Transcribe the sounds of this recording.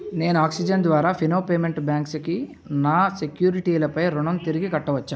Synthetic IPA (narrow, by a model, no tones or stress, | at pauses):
ne̞ːnuaːksid͡ʒɐnd̪ʋaːɾaːpʰinoːpeːme̞ɳʈbjaːŋkski | naːsekjuːɾiʈiːlɐpɐjɾuɳɐmt̪iɾiɡikɐʈːɐʋɐt͡ʃːaːm